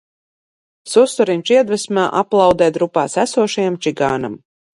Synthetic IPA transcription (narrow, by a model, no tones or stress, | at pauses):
sust̪ɔɾinʲt͡ʃiɛd̪vɛsmaːʔaplˠɑwd̪ɛːd̪ɾupaːsæsuɔʃajamt͡ʃiɡaːnam